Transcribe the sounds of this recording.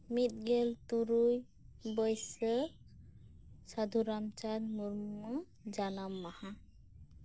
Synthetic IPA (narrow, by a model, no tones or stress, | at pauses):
mit̪̚ɡɛlt̪uɾuj | bɔjsə | sad̪ʱuɾamt͡ʃanmuɾmmɔ | d͡ʒanamːaha